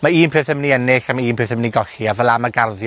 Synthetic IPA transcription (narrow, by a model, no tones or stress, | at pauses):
maiːnpʰeːθəmniɛnɪɬamaiːnpʰeːθəmniɡɔɬiavəlˠamaɡarðj